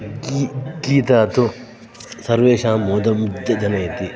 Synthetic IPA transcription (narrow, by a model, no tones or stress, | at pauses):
kikiːt̪aːt̪o | sɐɾʋeːʃãːmoːd̪ɐmd͡ʒɐnɐet̪i